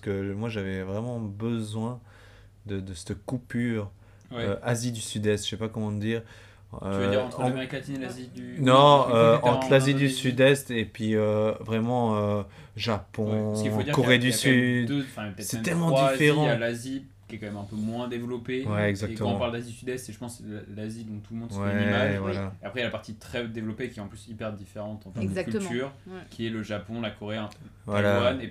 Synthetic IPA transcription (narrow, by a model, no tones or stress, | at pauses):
pasə̥kəmwaʒavɛvʁɛmɑ̃bəzwɛ̃ | d̪əd̪əsɛ̥t̪kupyʁ | wɛøazid̪ysyd̪ɛst̪ʃɛpakɔmɑ̃əd̪iːʁ | øvʁɑ̃t̪χə̃meʁiklat̪inelazid̪ynɔ̃øtɑ̃t̪χlazid̪ysyd̪ɛst̪epɥiøvʁɛmɑ̃ø | ʒapɔ̃ifoiʁkɔʁed̪ysyd̪̃fɛ̃apət̪ɛt̪sɛɛɛlmɑ̃d̪ifeʁɑ̃jalazi | kʲiɛkɑ̃mɛmɛ̃pømwɛ̃d̪evlɔpewɛɛɡzakk̪t̪əm̃ɔɑ̃paʁld̪azid̪ysyd̪ɛst̪eʒəpɑ̃slazid̪ɔ̃t̪uləmɔ̃d̪swɛmavwalaeapχɛjalapaʁt̪it̪χɛd̪evlɔpekʲiɛɑ̃plysipɛʁd̪ifeʁɑ̃t̪ɑ̃fɛ̃ɛd̪zakyt̪yʁkʲʰiɛləʒapɔ̃lakɔʁeɛ̃vwalaane